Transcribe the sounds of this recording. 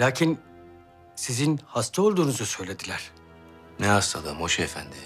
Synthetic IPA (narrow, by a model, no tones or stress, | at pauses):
lʲaːcʰin | sizinhast̪ʰao̞lˠd̪uːnuzasø̞jlʲe̞d̪ilʲæɾ̥ | nɛast̪ʰad̪amoʃiefæ̰nd̪ɪ